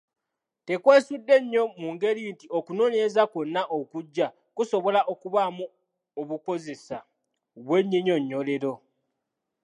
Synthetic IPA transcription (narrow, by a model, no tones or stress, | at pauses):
te̞kwe̞ːsudːe̞ɲːo̞muŋɡe̞ɾintiokunoːnezakonːaʔokuɟːa | kuso̞βo̞laʔo̞kuβamu | oβuko̞ze̞sa | βwe̞ɲːiɲo̞ɲːole̞ɾo̞